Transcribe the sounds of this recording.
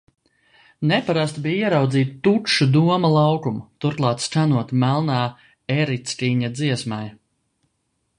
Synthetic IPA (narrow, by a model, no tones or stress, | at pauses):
nɛpaɾast̪biːjiɛɾawd̪ziːt̪t̪ːuʃud̪uɔmalˠɑwkumt̪uɾklˠɑːt̪st͡ʃanuɔt̪mælˠnaː | ɛɾit̪st̪iːɲad̪ziɛsmaj